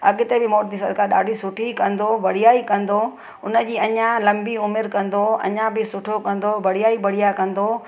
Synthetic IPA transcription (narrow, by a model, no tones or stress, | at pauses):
ɐɠɪt̪ebɪmoːɾd̪isɐɾkaɗa̰ːɖʱisʊʈʰikɐ̃nd̪obɐɽ̤ijaːikɐ̃nd̪o | ʊnə̆d͡ʑiːɐɲãlɐ̃mbiʊmɪɾkɐ̃nd̪oɐ̰ɲãbɪsʊʈʰokɐ̃nd̪obɐɽ̤ijaːibɐɽ̤ijakɐ̃nd̪o